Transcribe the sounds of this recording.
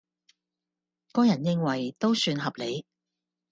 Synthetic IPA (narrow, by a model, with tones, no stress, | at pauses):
kɔː˥jɐ˨˩njɪ˧˥ŋwɐ˨˩jt̪o˥wsyː˧nɦɐ˨p̚le˨˧j